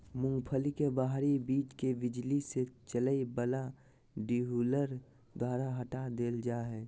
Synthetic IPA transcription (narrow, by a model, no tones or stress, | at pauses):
mʊ̃ŋɡpʰəlikebaɦɾibiːt͡ʃkebɪd͡ʒliset͡ʃələibəla | ɖiɦuləɾ | d̪ʱwaːɾaɦəʈad̪eːld͡ʒaːɦɛː